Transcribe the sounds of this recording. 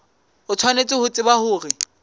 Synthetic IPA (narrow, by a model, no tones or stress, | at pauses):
ʊt͡sʰwanet͡sʼɪhʊt͡sʼɪbahʊːrɪ